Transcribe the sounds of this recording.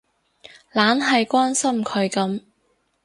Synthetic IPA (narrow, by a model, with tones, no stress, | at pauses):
laː˨˥nɦɐ˨jkʷaː˥nsɐ˥mkʰɵ˨˧ɥkɐ˨˥m